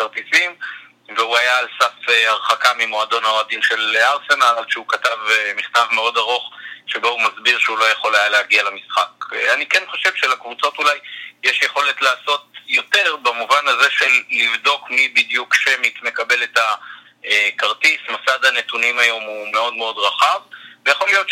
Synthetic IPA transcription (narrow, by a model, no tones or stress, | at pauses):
kaʁtisim | veuajaːlsafeaʁχakamimo̞ado̞naoadinʃe̞laʁse̞nallʃeukatavmiχtavme̞o̞daʁoχʃeboumazbiʁʃeulojeχo̞lajaleːɡialamisχakanikenχo̞ʃe̞vʃelakvut͡so̞tulajjeʃjeχo̞le̞tlaːso̞tjo̞te̞ʁbamuvanaze̞ʃe̞lːivd̪o̞kmibidjukʃemitme̞kabe̞le̞ta | kaʁtismasadhane̞tunimajo̞mume̞o̞dme̞o̞dʁaχavvejaχo̞lijo̞t̪